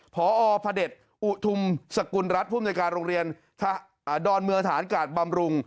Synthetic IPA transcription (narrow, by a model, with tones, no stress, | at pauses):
pʰɔː˩˦ʔɔː˧pʰa˧de˨˩t̪̚ | ʔu˨˩t̪ʰu˧msa˧ku˧nɾa˦˥t̪̚pʰu˥˩mnː˧jkaː˧nɾoː˧ŋɾi˧ən | t̪ʰa˧˩ | dɔː˧nmɯ˧əŋt̪ʰaː˩˦nkaː˨˩t̪̚ba˧mɾu˧ŋ